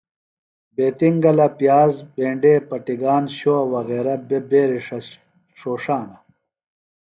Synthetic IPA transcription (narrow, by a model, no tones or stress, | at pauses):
beːt̪iŋɡɐlɐpjaːzbeːɳɖeːpɐʈiɡaːnɕoɐwɐɣeːɾɐbebeːɾiʂɐ | ʂoːʂaːnɐ